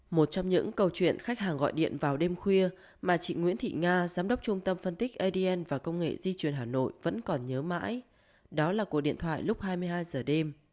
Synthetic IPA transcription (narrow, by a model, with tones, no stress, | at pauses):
mo˨˩t̚t͡ɕɔ˧wŋ͡mɲɨ̰˧˥ŋkə˨˧˩wt͡ɕwḭ˧˨ənxa˦˥jk̚haː˨˩ŋɣɔ̰˧˨jɗḭ˧˨ənvaː˨˩wɗe˧mxwi˧ə | maː˨˩t͡ɕḭ˧˨ŋwḭ˧˥ənt̪ʰḭ˧˨ŋaː˧zaː˨˦mɗə˦˥wk͡p̚t͡ɕʊ˧ŋ͡mt̪ə˧mfə˧nt̪ï˦˥k̚ʔə˧ɗi˧ʔɛ˧nvaː˨˩kə˧wŋ͡mŋḛ˧˨zi˧t͡ɕwi˨˩ənɦaː˨˩no̰˧˨jvə̰˧˥nkɔ˨˩nɲəː˨˦ma̰ː˧˥j | ɗɔ˨˦laː˨˩ku˨˩ək̚ɗḭ˧˨ənt̪ʰwa̰ː˧˨jlʊ˦˥k͡p̚haː˧jmɨ˧əhaː˧jzəː˨˩ɗe˧m